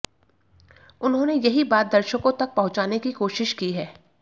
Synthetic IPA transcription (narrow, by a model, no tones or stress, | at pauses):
ʊnɦõːnejɐɦibaːt̪̚d̪ɐɾʃəkõt̪ɐk̚pɐɦʊ̃t͡ʃaːnekikoːʃɪʃkiɦɛː